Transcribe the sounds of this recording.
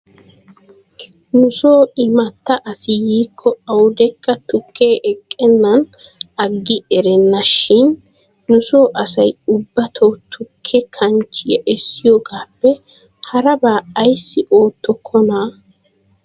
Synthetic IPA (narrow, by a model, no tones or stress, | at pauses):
nʊsoːɪmɐt̪ːɐʔɐsɪjiːkʰːɔɐwʊd̪ɛkːɐt̪ʊkʰːeːʔɛkʼːɛnːɐn | ɐɡːɪɛɾɛnːɐʃɪnː | ʊsoːʔɐsɐjʊbːɐt̪ʰowt̪ʰʊkʰːɛkʰɐnt͡ʃːɪjɐʔɛsːɪjoːɡaːpːɛ | hɐɾɐbaːɐjsːɪʔoːt̪ːɔkʰɔnaː